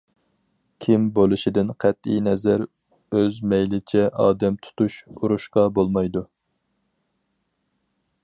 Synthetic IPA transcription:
kʲʰimbolˠuʃɪd̪ɪnqʰæt̪ijnɛzæɾ | øzmɛjlɪt͡ʃʰɛʔɑːd̪ɛmt̪ʰu̥t̪uʃuɾuʃqɑbolˠmɑjd̪u

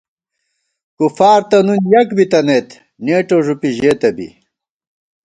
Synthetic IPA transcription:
kufaːɾt̪ɐnunjɐkbit̪ɐnet̪ | neːʈoʐupiʑeːt̪ɐbḭ

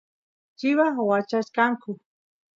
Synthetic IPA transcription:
t͡ʃɪwawat͡ʃaʃkaŋkʊ

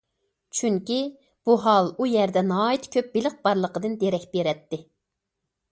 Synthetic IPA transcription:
t͡ʃʰyŋkʲi | b̥uɦɑlˠujɛɾd̪ɛnɑːit̪ʰkʲʰøp̚belɪq̚b̥ɑɾlˠəqəd̪ɨnd̪eɾɛkʲb̥eɾɛt̪ːɪ

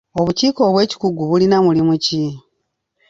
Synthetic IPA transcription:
o̞βuciːko̞ːβwe̞ːci̥kuɡuβulinamulimuci

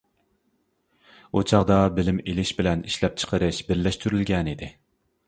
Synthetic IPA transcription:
ot͡ʃʰɑʁd̪ɑbɪlɪmelɪʃbɪlɛniʃlɛp̚t͡ʃʰə̥qʰəɾɨʃbɪɾlɛʃt̪yɾylɡʲɛnid̪ɪ

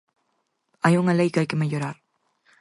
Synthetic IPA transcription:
ajʊŋalajkajkɪmajoɾaɾ

